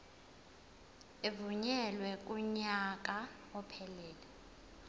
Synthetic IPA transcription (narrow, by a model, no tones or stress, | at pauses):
evuɲɛlwɛk̬ʼuɲak̬ʼa | ɔpʰɛlɛːlɛ